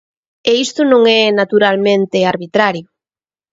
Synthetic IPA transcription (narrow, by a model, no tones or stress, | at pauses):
eist̪ʊnõŋɛnat̪uɾalmẽnt̪eaɾβit̪ɾaɾjo